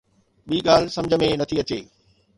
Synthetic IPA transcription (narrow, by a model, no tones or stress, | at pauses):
ɓiːɠaːl̤sɐ̃md͡ʑʱə̆mẽnɐt̪ʰiɐt͡ɕeː